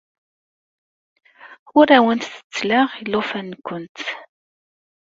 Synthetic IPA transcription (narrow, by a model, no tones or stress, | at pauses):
ʊɾæwənt̪θə̥t͡sːlaʁilːʊfænːkʷːʊnt̪